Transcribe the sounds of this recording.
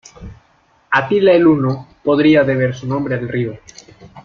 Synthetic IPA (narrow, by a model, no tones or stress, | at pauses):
at̪ilaelunopoðɾiaðeβ̞eɾsunõmbɾealrio